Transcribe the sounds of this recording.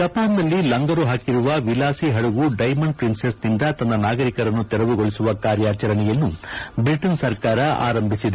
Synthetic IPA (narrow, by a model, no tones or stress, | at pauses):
t̪ɐpaːndɐlːilɐŋɡɐɾuɦaːkiɾuʋɐʋilaːsiɦɐɭuɡuɖɐjmɐɳɖpɾinsesd̪ind̪ɐt̪ɐnːɐnaːɡɐɾikɐɾɐnːut̪ɛɾɐʋuɡo̞ɭisuʋɐkaːɾjaːt͡ʃɐɾɐɳɛjɐnːubiʈɐnsɐɾkaːɾɐa̰ːɾɐmbʱisid̪e